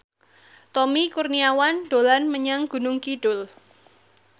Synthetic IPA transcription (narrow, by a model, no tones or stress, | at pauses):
t̪ɔmikurniawanɖ̥o̤lanməɲaŋɡ̥ṳnʊŋkiɖ̥ʊl